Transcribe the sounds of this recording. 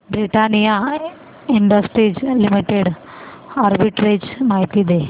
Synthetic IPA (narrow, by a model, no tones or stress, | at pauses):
bɾiʈanija | iɳɖəsʈɾiːd͡ʑlimiʈeɽ | aɾbiʈɾed͡ʑmaɦit̪id̪e